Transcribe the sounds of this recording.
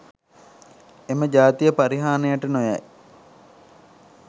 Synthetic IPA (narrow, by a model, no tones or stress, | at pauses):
eməd͡ʒaːt̪ijəpaɾiɦaːnejaʈənoja̰j